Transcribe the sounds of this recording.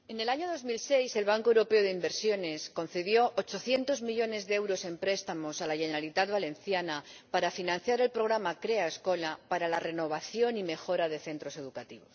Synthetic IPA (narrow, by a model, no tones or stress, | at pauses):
e̞ne̞laɲo̞ð̞o̞zmilsejse̞lβ̞aŋkoewɾo̞pe̞oðeimbe̞ɾsjo̞ne̞sko̞nθe̞ðjo̞ʔot͡ʃo̞θje̞nt̪o̞zmiʎo̞ne̞zðeewɾo̞se̞mpɾe̞st̪amo̞salaʝeneɾalit̪ad̪βale̞nθjanapaɾafinãn̟θjaɾe̞lpɾo̞ɣ̞ɾamakɾe̞aesko̞lapaɾalare̞no̞β̞aθjo̞nime̞xo̞ɾaðe̞θe̞nt̪ɾo̞se̞ð̞ukat̪iβo̞s